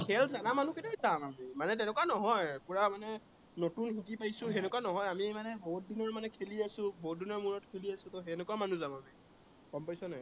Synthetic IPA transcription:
kʰɛlzanamanuketazamamimanɛt̬ɛnɛkwanɔɦɔjkuɹamanɛ | notunhikipajsʊ̃ɦɛnɛkanɔɦɔjamimanɛboɦut̚dinɔɹmanɛkʰeliasʊ̃boɦʊt̚dinɔɹmuɹɔtkʰeliasʊ̃tɔɦɛnɛkuamanuzamami | kɔmpajsɔnɛ

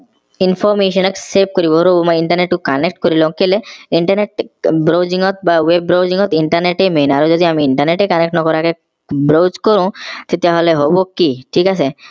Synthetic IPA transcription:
infʰɔɾmeʃɔnekseb̚koɾiboɾobomɔjiɳʈɐɾneʈkukanek̚ʈkoɾilow̃keleiɳʈaɾneʈ̚bɾowd͡ʑiŋɔt̪̚bawebɾowd͡ʑiŋɔt̪iɳʈaɾneʈemenaɾod͡ʒod̪iamiiɳʈɐɾneʈekanek̚ʈnɔkɔɾake | bɾod͡ʑkoɾũt̪et̪eaɦoleɦobokiʈʰikasʰe

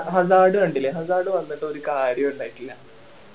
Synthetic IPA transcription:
ɦɐzaːɽɨɐɳɖilːeɦɐzaːɽɨʋɐnːiʈːɨo̞ɾukaːɾjɐmuɳɖaːjiʈːilnaː

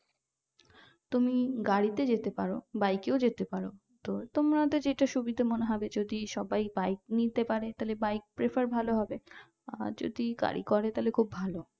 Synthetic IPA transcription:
t̪umiɡaɽit̪ed͡ʑet̪epaɾobajkeod͡ʑet̪epaɾo | t̪ot̪omɾad̪ed͡ʑeʈaʃubid̪ʱamoneɦɔbed͡ʑod̪iʃɔbajbajk̚nit̪epaɾet̪alebajk̚pɾefaɾbʱaloɦɔbe | ad͡ʑo̰d̪iɡa̰ɽḭkɔɾet̪aɦlekʰubːʱalo

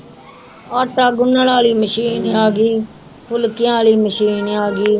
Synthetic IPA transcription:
aːʈaːɡʊnːəlaːliːməʃiːnaːɡiː | pʊlkɪjãːliːməʃiːnaːɡiː

